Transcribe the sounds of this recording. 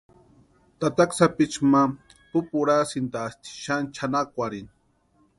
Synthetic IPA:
t̪at̪aksapit͡ʃma | pupuɾasint̪aːst̪ʰi̥ʃant͡ʃʰanakʷaɾin

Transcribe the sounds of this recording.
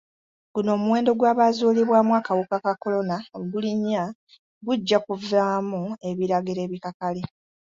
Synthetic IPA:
ɡ̥uno̞ːmuwe̞ːndo̞ɡwaːβazuːliβwaːmwaːkawukakako̞lo̞naoɡuliɲːa | ɡuɟːakuvaːmue̞βiɾaɡiɾe̞ːβikakale

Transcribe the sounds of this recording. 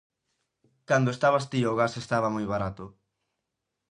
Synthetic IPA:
kand̪oest̪aβast̪ioːɣasest̪aβɐmojβaɾat̪ʊ

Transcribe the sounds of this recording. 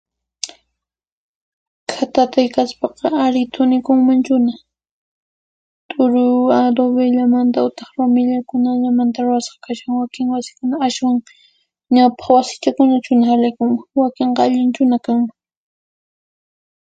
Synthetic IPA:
kʰat̪at̪ajkaspɑqɑaɾɪt̪ʰʊnɪkʊŋmant͡ʃʊna | t̪ʼʊɾʊad̪oβeʎamant̪aʊt̪ɪχɾomɪʎakʊnaʎamant̪aɾʊwasqɑ̥kaʃaŋwakɪŋwasɪ̥kʊnaaswaŋ | ɲawpɑ̥χwasɪ̥t͡ʃakʊnat͡ʃʊnahalajkʊŋmawakeɴqɑaʎɪnt͡ʃʊnakaŋma

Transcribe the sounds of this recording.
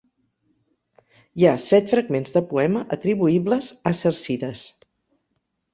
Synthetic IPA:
jasɛt̪fɾəɡmenzðəpuɛməʔət̪ɾiβuibləzəsəɾsiðəs

